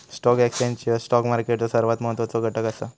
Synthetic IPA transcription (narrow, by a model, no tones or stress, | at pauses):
sʈɔkɛksãɲt͡ɕisʈɔkmaɾkeʈt͡səsəɾʋat̪məɦət̪ːʋat͡soɡʱəʈəkasa